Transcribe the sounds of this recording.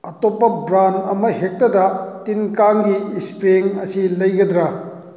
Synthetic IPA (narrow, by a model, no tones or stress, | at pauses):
ɐtopːɐbɾanɐmɐhek̚tɐdɐtinkaŋɡiːspɾeŋɐsilɐjɡɐd̪ɾɐ